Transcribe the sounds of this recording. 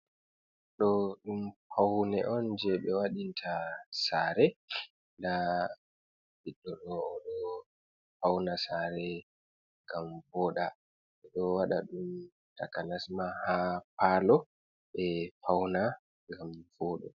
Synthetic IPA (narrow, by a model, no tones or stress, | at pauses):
ɗɔɗumpʰawnɛʔɔnd͡ʒɛɓɛwaɗintʰasaːɾɛ | nda | biɗːɔɗɔːɗɔ | pawnasaːɾɛ | ŋɡamvɔːɗa | ɛɗɔwaɗa̰ɗum | takanasmahapalɔ | ɓɛpʰawna | ŋɡamvɔɗɔ̰